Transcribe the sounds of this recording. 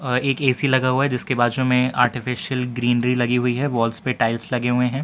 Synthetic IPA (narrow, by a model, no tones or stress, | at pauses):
eːkeːsilɐɡaɦuaɦɛd͡ʒɪskebaːd̪ʃõmẽa̰ːɾʈɪfɪʃijəlɡɾiːnɾilɐɡiɦʊiɦɛʋɔːlspeʈaːɪlslɐɡeɦʊẽɦɛ̃ː